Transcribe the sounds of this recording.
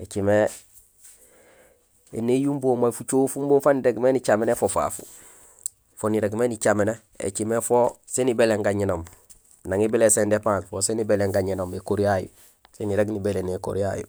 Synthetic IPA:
et͡ʃime | ḛnejumboːmafut͡ʃoːfumboːfaniɾeɡmenit͡ʃamenefofa̰ːfu̥̰ | foniɾeɡmenit͡ʃamene | ḛt͡ʃimefosenibeleŋɡaɲinoːm | naŋibilesendepãːsfosenibeleŋɡaɲinoːmekoɾijajṵ | seniɾeɡnibeleneko̰ɾija̰jṵ

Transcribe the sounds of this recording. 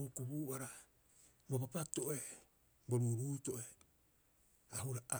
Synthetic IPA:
ukubuaɾa | bopapato̞ʔe | boɾuːɾuːto̞ʔe | ahuɾaʔa

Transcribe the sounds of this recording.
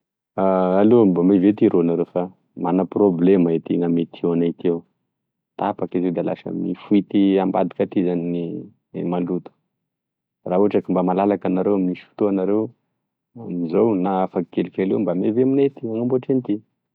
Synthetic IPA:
aalombamevet̪iɾʔoanaɾewfa | manəproblemaet̪iŋamet̪ʰianat̪ew | t̪apakized̪ala̰ʃa̰mnifuit̪iamba̰d̪ikaʈ͡ʂ̪izanini | malut̪u̥ | rauaʈ͡ʂakimbamalalakanaɾewaminiʃfu̥t̪oanaɾew | amizownaafaki̥kelikelewmbameveaminet̪iaŋamboʈ͡ʂent̪i

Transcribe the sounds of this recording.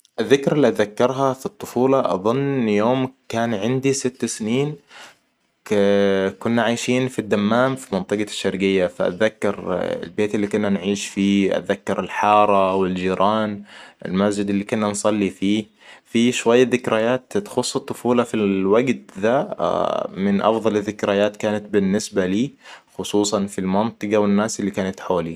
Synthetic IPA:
ʔɪðːɪkɾalːiʔ̪ðakːɑɾˤɦafit̪ˤːʊ̥fuːlɑʔɑ̰ðˤʊnːjoːmkaːnʕɪnd̪isɪt̪ːsniːn | kʊnːaʕaːjʃiːnfid̪ːamːaːmfimɑnt̪ˤɨɡɑʃːɑɾɡɪjːafa̰ʔa̰ðakːɑɾɪ̰lbeːt̪ɪlːiːkʊnːanʕiːʃfiːʔa̰t̪ðakːɑɾɪlħɑːɾˤɑwɪld͡ʒiːɾʔɑːnɪ̰lmasd͡ʒɪd̪ɪlːiːkʊnːansˤɑlːifiː | fiʃwajːaðɪkɾajaːt̪t̪xʊsˤːɨt̪ˤːʊfuːlɑfiwaɡt̪ða | mɪnʔɑ̰fðˤɑlɪðːɪkɾajaːt̪kaːnat̪̚bɪnːɪsbaliːxʊsˤuːsˤɑnfilmɑnt̪ˤɨɡɑwɪnːaːsɪlːikaːnat̪ħoːli

